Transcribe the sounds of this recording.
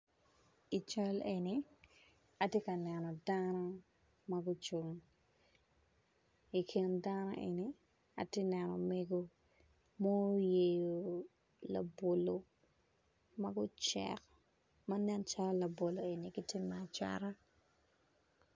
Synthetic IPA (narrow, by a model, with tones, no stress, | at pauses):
i˨t͡ʃa˦lʔe˨ni | ɐ˨tje˦kɐ˨nɛnɔ˨danɔ˦ | mɐɡʊ˦t͡ʃu˨ŋ | i˨kʰɪ˨ndanɔ̰˦ʔḛ˨ni | ɐ̰˨te˦nɛ˨nɔ̰˨meɡo˦ | mɔ˦je˨jo˨ | lɐ̰bo˨lo | mɐɡʊ˦t͡ʃɛ̰k | mɐnɛ˦nt͡ʃa˦ɾalɐ˨bo˨lo˨e˨ni˨ɡɪ˦tɪ˦mːɛa˨t͡ʃa̰ɾa˦